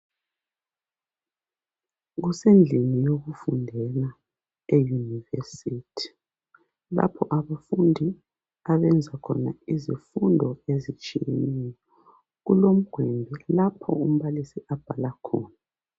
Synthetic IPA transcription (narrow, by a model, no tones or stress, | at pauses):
ɣusend͡ɮʱinijoɣufundʱɛna | ejunivesiːtʰi̥ | la̰pʰɔʔaβafundʱi | aβɛnd͡zʱakʰɔ̰naizifundʱɔezit͡ʃʼijḛnɛjɔ | ɣulom̩ɡ̥ʱwɛmbʱɛlapʰɔ̰um̩βalisiʔab̥ʱalakʰɔːna